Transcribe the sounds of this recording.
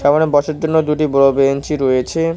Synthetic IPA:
ʃɛmanebɔʃeɾd͡ʑonːod̪uʈibɔɾobent͡ɕiɾojet͡ɕʰe

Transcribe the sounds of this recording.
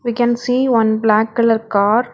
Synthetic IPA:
ʋikɛ̃nsiːʋɐ̃nblæːkːɪləɾkaːɾ

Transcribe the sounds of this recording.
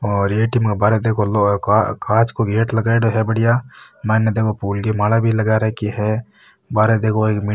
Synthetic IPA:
ɔːɾeːʈiːmkabaːɾed̪eːkʰolokakʰaːt͡ʃkoɡeːʈlɐɡaːeɖoɦɛbɐɽɪjamɛ̃ːned̪eːkʰopuːlɡemaːlabʱilɐɡaːɾakiɦɛ | baːɾed̪eːkʰoeːkmɪ

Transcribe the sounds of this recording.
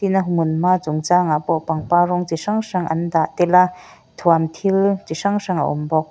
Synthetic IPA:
t̪inɐɦmunmaːt͡sʊŋt͡saːŋapɔʔpaŋpaːrɔŋt͡siʂaŋʂaŋʔɐ̰nd̪aʔt̪ɛla | t̪ʰuamt̪ʰilt͡siʂaŋʂaŋɐ̰ʔṵmbɔk̚

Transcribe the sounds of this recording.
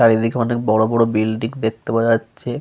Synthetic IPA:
aɾid̪ʱikeɔnek̚bɔɽobɔɽobilɖiŋd̪ek̚t̪epaatːɕʰe

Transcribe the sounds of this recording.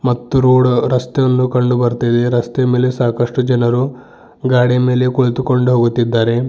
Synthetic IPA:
mɐt̪ːuɾuːɽuɾɐst̪ejonːukɐɳɖubɐɾt̪id̪eɾɐst̪eɐme̞ːle̞saːkɐʂʈud͡ʒɐnɐɾu | ɡaːɽijɐme̞ːle̞koɭt̪uko̞ɳɖuɦoːɡut̪ːid̪ːaːɾe̞

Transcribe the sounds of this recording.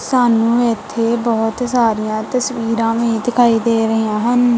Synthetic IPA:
saːnũːɪt̪ʰːeːbɔːt̪saːɾijãːt̪əsʋiːɾãːʋĩd̪ɪkʰaːiːd̪eːɾəɦijãːɦən

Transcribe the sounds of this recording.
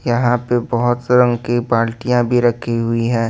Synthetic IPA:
jɐɦãpebɐɦʊt̪ɾɐ̃ŋɡkipaːɾʈijãbʱiɾɐkʰiɦʊiɦɛ̃ː

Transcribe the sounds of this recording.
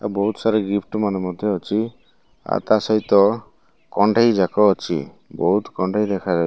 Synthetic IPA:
a̰bɔɦut̪ɔsaɾɔɡipʰʈmanemɔd̪ʱjɔɔt͡ʃʰi | a̰ɾt̪asɔɦit̪ɔ | kɔɳɖʱajd͡ʒakɔːt͡ʃʰḭ | bɔɦut̪kɔɳɖʱajd̪ɛkʰad͡ʒa

